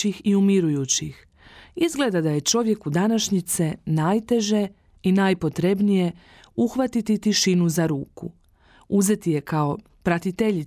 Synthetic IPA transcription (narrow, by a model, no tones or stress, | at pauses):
ixiumiɾujuːt͡ɕix | izɡle̞d̪ad̪aje̞t͡ʃo̞ʋje̞kud̪anaʃɲit̪senajt̪e̞ʒe̞ | inajpo̞t̪ɾe̞bnije̞ | uxʋat̪it̪it̪iʃinuzaɾuːkṵ | uze̞t̪ije̞kao̞ | pɾat̪it̪eʎi